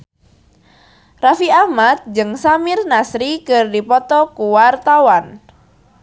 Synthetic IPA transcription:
rafiahmat̪̚d͡ʒɨŋsamɪrnasɾikɨrdipɔt̪ɔkuwart̪awan

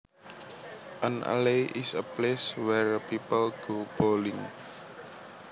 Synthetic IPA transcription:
ʔa̰nʔə̰leʔisəpleswɛɹəpipəlɡ̥ob̥olɪŋ

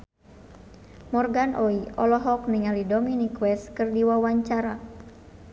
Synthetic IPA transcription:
mɔrɡanʔɔiʔɔlɔɦɔk̚niŋalidɔminikwɛskɨrdiwawaɲt͡ʃaɾa

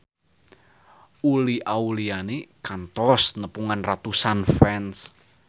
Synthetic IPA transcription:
uliʔaulianekant̪ɔsnəpuŋanrat̪usanfɛns

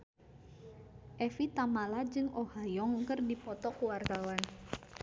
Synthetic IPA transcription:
ʔɛfit̪amalad͡ʒɨŋʔohajɔŋkɨrdipɔt̪ɔkuwart̪awan

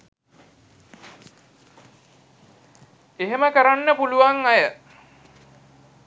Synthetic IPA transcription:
eɦeməkəɾanːəpuluʋaŋajə

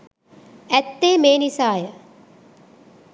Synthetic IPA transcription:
æt̪ːeːmeːnisaːjə

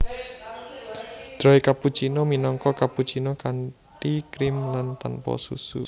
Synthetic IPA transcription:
d̪̥ɾɔikaput͡ʃinɔminɔŋkɔkaput͡ʃinɔkaɳ | ʈikɾɪmlant̪anpɔ̰sṵsṵ

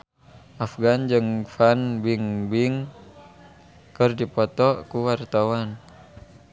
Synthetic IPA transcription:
ʔafɡand͡ʒɨŋfanbiŋbiŋ | kərdipɔt̪ɔkuwart̪awan

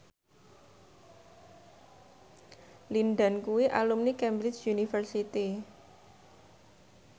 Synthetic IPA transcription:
linɖankuwiʔa̰lumnikɛmbɾɪt͡ʃjunifərsit̪i

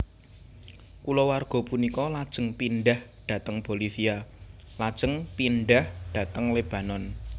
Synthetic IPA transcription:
kulɔwarɡ̥ɔ̤punikɔlad̥ʒ̥ə̤ŋpinɖahɖ̥ä̤t̪əŋpolifia | lad̥ʒ̥ə̤ŋpinɖahɖ̥ä̤t̪əŋleb̥a̤nɔn

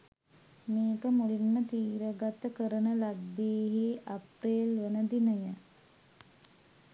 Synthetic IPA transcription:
meːkəmulinːət̪iːɾəɡat̪əkəɾənəlad̪ːeːɦeːʔapreːlʋənəd̪inəjə

